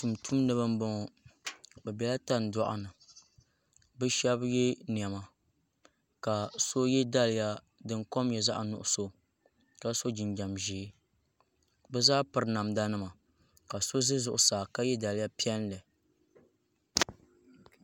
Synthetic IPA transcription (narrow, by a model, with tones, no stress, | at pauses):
tu˨mtʰu˦m˦nɨ˦βɨ˦m˦bɔ˦ŋɔ˨ | bɛ˨bɛ˨la˦ta˦n̩˨dɔ̰˦ʔa̰˨nɨ˨ | bɨ˦ʃɛ˦bjɛ˦ni˨ɛ˨ma˨ | ka˨so˦jɛ˦da˦lɪ˨ja˦ | dɨ˦ŋkɔ˦mjɛ˨za˦ʔa˨nʊ̰˨ʔʊ˨so˨ | ka˦so˦d͡ʒi˨nd͡ʒa˨mʒiː˨˦ | bɛ˦zaː˦pɨ˨ɾɨ˨na˨mda˦nɨ˦ma˨ | ka˨so˦zɨ˦zʊ˨ʔʊ˨saː˨ka˦jɛ˦da˨lɪ˦ja˦pi˦ɛ˦n˦lɛ˨